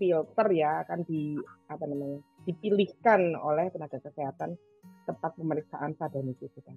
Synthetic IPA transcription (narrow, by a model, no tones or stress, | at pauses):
filt̪ərjakand̥iapanamaɲad̥i̤pilihkano̰lɛhk̪ənaɡ̥a̤kəseɦat̪an | t̪əmpat̪̚pəməɾik̚saʔansad̥a̤nit̪ukuk̪an